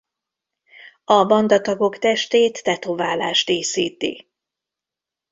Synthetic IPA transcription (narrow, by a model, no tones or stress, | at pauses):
ɒbɒnd̪ɒt̪ɒɡo̞kt̪ɛʃt̪eːt̪ːɛt̪ovaːlaːʃt̪eːsiːt̪ḭ